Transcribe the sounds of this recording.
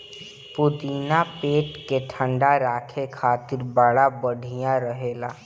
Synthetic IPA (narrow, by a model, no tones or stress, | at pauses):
pʊd̪iːnapeːʈkeʈʰə̃ɳɖaɾaːkʰekʰaːt̪ɪɾbaːɽabəɽʱijãɾəɦeːlaː